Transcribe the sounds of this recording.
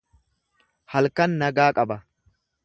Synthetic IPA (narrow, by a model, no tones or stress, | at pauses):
hɐlkɐnːɐɡaːkʼɐbɐ